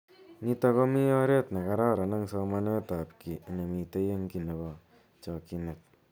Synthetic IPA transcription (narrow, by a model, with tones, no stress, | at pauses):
ni˦ta˦ko˦mi˦ɔ˦ɾe˦tna˨ka˦ɾa˦ɾa˨na˦ŋsɔ˧ma˦ne˦ta˨pki˨ne˨mi˨te˦je˦ŋki˨ne˨bɔ˨ | t͡ʃɔ˨ki˧ne˨t̚